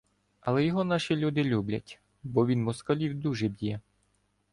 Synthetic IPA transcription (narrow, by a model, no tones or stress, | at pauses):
ɐlˠɛjɔɦɔnɑʃilʲud̪ɪlʲublʲɐ̰tʲ | bɔʋʲinmɔskɐlʲiwd̪uʒɛbʲjɛ